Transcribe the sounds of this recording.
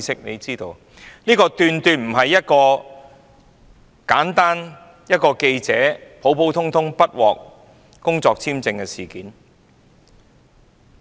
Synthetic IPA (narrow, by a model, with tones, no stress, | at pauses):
sɪ˥k̚nḛ˨˧jt͡siː˥t̪o˧w | niː˥kɔː˧t̪yː˨˧nt̪yː˧nm̩˨˩ɦɐ˨jːɐ˥t̚kɔː˧ | kaː˨˥nt̪aː˥n | jɐ˥t̚kɔː˧ke˧jt͡sɛː˨˥pʰo˨˥wpʰo˨˥wt̪ʰʊ˥ŋt̪ʰʊ˥ŋpɐ˥t̚wɔː˨k̚ | kʊ˥ŋt͡sɔː˧k̚t͡sʰiː˥mt͡sɪ˧ŋkɛ˧siː˨˩kiː˨˥n